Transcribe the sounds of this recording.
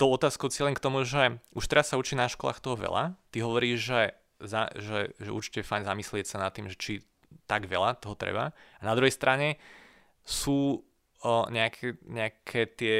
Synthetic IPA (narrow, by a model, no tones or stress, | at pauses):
t̪oʊɔt̪aːskoʊt͡sɪɛlɛmkt̪ɔmuʒɛuʃt̪ɛɾasːaut͡ʃinaʃkɔla̰ːxt̪ɔɦɔʋɛ̰la̰t̪iɦɔʋɔɾiːʒʒɛ | zaʒɛʒɛṵɾt͡ʃi̥cɛfajɲzamislɪɛcsanat̪ːiːmʒɛt͡ʃi | t̪aɡʋɛ̰lat̪ɔɦɔt̪ɾɛ̰ba̰anad̪ɾuɦɛjst̪ɾʔaɲɛ | suː | ɲɛakʰɛɲɛakʰɛt̪ɪɛ